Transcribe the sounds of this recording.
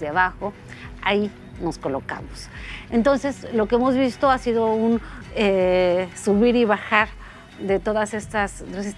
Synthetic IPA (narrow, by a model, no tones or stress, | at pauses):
aβaxo̞ | ai | no̞sko̞lo̞ka̰mose̞nt̪o̞nse̞slo̞keemo̞zβist̪o̞asiðo̞unesuβiɾiβaxaɾ | d̪e̞t̪o̞ðasest̪aseeses